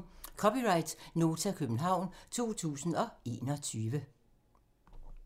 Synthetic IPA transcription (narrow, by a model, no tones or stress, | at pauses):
kʰɒpiʁɑ̈ɪd̥no̝ːt͡sʰækʰøb̥n̩ɦɑ̈ʊ̰nt͡sʰo̝̰ːt͡sʰṵːsn̩ɒ̽e̝̰ːnɒt͡sʰyːʋə